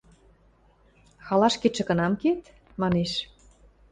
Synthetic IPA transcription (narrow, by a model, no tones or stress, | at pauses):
xɑlɑʃket͡ʃə̆kə̆nɑmket̪ | mɑneʃ